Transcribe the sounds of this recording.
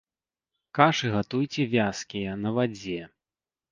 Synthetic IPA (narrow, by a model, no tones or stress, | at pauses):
kaʂɨɣat̪ujt͡sʲɛvʲaskʲijɐnɐvad͡zʲɛ